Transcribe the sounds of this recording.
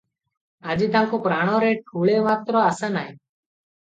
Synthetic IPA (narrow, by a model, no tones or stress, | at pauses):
aːd͡ʒiːt̪ãːkoːpɾaːɽ̃õːɾeːʈʰuːɭeːmaːt̪ɾoːaːsãːnaːɦeː